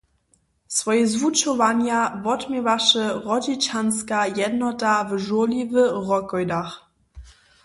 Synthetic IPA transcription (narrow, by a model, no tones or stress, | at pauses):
svɔjəzvut͡ʃɔvanjavɔtmʲjɛvaʃəʁɔd͡ʑit͡ʃanskajɛdnɔtavəʒulivəʁɔkɔjdax